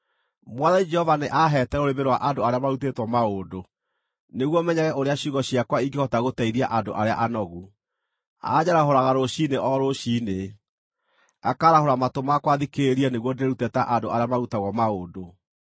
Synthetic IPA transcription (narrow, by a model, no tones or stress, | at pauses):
mwaðaid͡ʒɛhɔvaneʔaɦɛtɛɾoɾemeɾwaʔandoaɾeamaɾutetwɔmaodo | neɣwɔmɛɲaɣɛʔoɾeaɕuɣɔɕiakwaiɡehɔtaɣotɛiɾiaʔadoʔaɾea̰ʔanɔɣu | a̰ɲaɾaɦoɾaɣaɾoɕineʔɔɾoɕine | akaɾahoɾamatomakwaðikeeɾianeɣwɔdeɾeɾutɛtaʔandoaɾeamaɾutaɣɔmaoːdo